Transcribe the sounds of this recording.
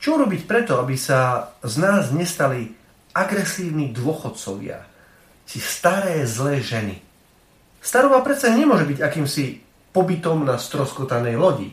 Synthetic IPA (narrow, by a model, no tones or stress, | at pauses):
t͡ʃɔuɾɔbicpɾɛt̪ɔabisaznaːzɲɛst̪ali | aɡɾɛsiːʊnid̪ʊɔxɔt̪t͡sɔʋɪa̰ | t͡ʃist̪aɾɛːzlɛːʒɛnḭ | st̪aɾɔʋapɾɛt̪t͡ssaɲɛmʊɔʒɛbiɟakiːmsi | pɔbit̪ɔmnast̪ɾɔskɔt̪anɛjlɔɟḭ